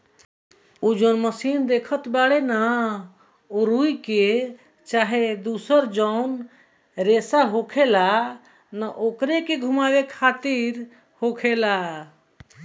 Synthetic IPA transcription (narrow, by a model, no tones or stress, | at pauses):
od͡ʒɔnməsind̪ekʰət̪baɽena | oɾuike | t͡ʃaɦed̪usəɾd͡ʒəʊn | ɾesaɦokʰela | nəʔokɾekeɡʱumabekʰat̪iɾ | hokʰela